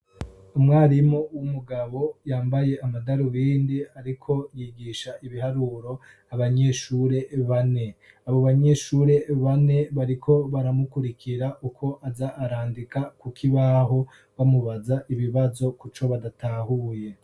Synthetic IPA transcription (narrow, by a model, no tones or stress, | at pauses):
umŋaːɾimowumuɡaβo̞jaːmbaje̞ʔamadaɾuwiːndiaɾikʰo̞jiɡiːʃaʔiβiɦaɾuːɾo̞ | aβaɲe̞ʃuːɾe̞βane̞ | aβo̞βaɲe̞ʃuːɾe̞βane̞βaɾikʰo̞βaɾamukuɾikʰiɾaʔukʰo̞ʔazaʔːɾaːndikakukʰiβaɦo̞ | βamuβazaʔiβiβazo̞kut͡ʃo̞βadatʰahuːje̞